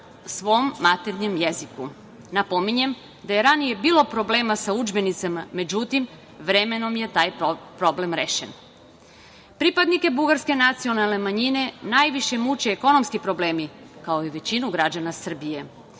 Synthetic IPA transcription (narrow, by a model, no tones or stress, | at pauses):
sʋo̞mːat̪eɾɲe̞mjeziku | napo̞miɲe̞m | d̪ajeɾanije̞biːlo̞pɾo̞ble̞ːmasaud͡ʒbe̞nit̪samame̞d͡ʑut̪im | ʋɾe̞me̞no̞mje̞t̪aːjpɾo̞ble̞mɾe̞ʃen | pɾipad̪nike̞buɡaɾske̞nat̪sio̞nalˠne̞maɲine̞najʋiʃe̞mut͡ɕeːko̞no̞mskipɾo̞ble̞ːmi | kao̞iʋe̞t͡ɕinuɡɾad͡ʑanasr̩bije̞